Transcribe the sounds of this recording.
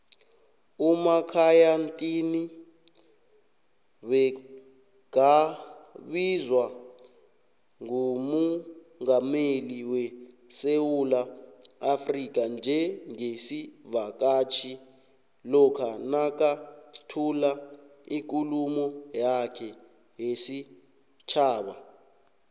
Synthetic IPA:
umakʰajantʼini | ɓɛ | ɡa | ɓizwa | ŋumu | ŋameliwɛ | sewulaafrik̬ʼand͡ʒʱɛŋesivak̬ʼat͡ʃʰi | lɔkʰanak̬ʼatʰula | ik̬ʼulumɔjakʰɛ | jesi | t͡ʃʰaːɓa

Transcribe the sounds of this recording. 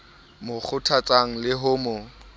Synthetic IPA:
mʊk͡xʰʊtʰat͡sʼaŋ̩lɪɦʊmʊ

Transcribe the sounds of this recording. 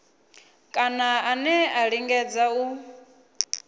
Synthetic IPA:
kʼanaanɛaɺiŋɡɛd͡zau

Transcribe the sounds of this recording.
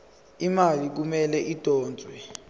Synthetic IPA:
imalik̬umɛlɛʔid̥ʱɔːnd͡zʱwɛ

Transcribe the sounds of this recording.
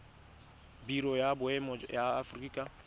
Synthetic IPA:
biɾɔjabʊɛmɔjaafrika

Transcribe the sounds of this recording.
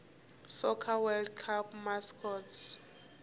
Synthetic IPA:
sɔkʰawɛldkʰapmaskɔts

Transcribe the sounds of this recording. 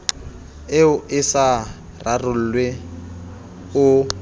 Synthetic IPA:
ɪʊʔɪsa | rarʊl̩ːlwe | ʊ

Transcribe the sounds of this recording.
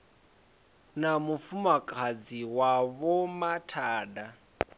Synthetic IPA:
namufumakʼʰad͡ziwaβɔmatʰaːda

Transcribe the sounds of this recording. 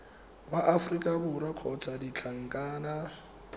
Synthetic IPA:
baʔafrikʼabʊɾakʰɔt͡sʰʼadit͡ɬʰaŋ̩kʼaːna

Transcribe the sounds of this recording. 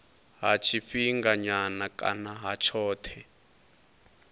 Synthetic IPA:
ɦat͡ʃʰifiŋɡaɲanakʼa̰naɦat͡ʃʰɔːtʰɛ

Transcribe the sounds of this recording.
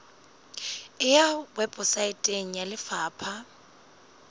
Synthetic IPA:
ɪjawɛbʼʊsaɪtʼeŋ̩jalɪfaːpʰa

